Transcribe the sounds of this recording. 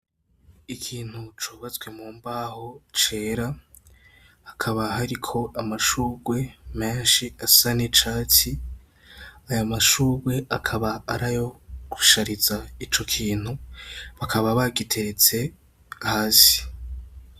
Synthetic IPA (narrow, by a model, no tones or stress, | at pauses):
ikʰiːn̥hut͡ʃoːβat͡sɡwe̞muːmbaho̞t͡ʃe̞ːɾa | hakʰaβaɦaɾikʰo̞ʔamaʃuːɡwe̞me̞ːnʃiasanet͡ʃaːt͡si | ajamaʃuːɡwe̞akʰaβaːɾajo̞ɡ̥uʃaɾizait͡ʃo̞kʰiːn̥huβakʰaβaβaɡitʰe̞ɾet͡se̞ | ahaːsi̥